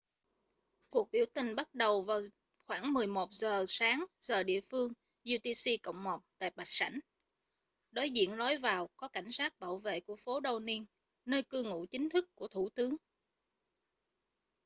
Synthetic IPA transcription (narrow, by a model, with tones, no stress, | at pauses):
ku˨˩ək̚ɓi˧˩wt̪ï˨˩ŋ̟ɓa˦˥t̚ɗə˨˩wvaː˨˩w | xwaː˧˩ŋmɨ˨˩əjmo˨˩t̚zəː˨˩saː˨˦ŋzəː˨˩ɗḭ˧˨əfɨ˧əŋ | zu˧t̪i˧si˧kə̰˧˨wŋ͡mmɔ˨˩k͡p̚t̪a̰ː˧˨jɓa˨˩k̚sa̰˧˩jŋ̟ | ɗo˨˦jzḭ˧˨ənlɔ˨˦jvaː˨˩wkɔ˨˦ka˧˩jŋ̟saː˦˥t̚ɓa̰ː˧˩wvḛ˧˨ku˧˩əfo˨˦ɗə˨˩wni˧ən | nəː˧jkɨ˧ŋṵ˧˥t͡ɕï˨˦ŋ̟t̪ʰɨ˦˥kːu˧˩ət̪ʰu˧˩t̪ɨ˨˦əŋ